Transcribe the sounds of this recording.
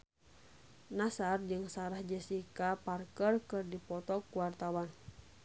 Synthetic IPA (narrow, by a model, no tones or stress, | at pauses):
nasard͡ʒɨŋsaɾahd͡ʒɛsikaparkərkɨrdipɔt̪ɔkuwart̪awan